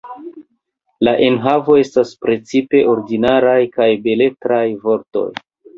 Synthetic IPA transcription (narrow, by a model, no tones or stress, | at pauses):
laʔe̞nɦavo̞e̞staspɾe̞t͡sipe̞ʔo̞ɾdinaɾajkajbe̞le̞tɾajvo̞ɾto̞̰j